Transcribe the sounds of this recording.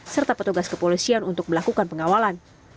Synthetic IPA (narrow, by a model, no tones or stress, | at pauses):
sərt̪apət̪uɡaskəpolisianunt̪ʊk̚məlakukanpəŋawalan